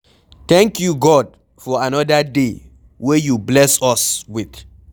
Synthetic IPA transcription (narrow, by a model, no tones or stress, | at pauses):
t̪ɛ̃ŋkjuɡɔd̚ | fɔanɔdade | wejublɛsɔswiθ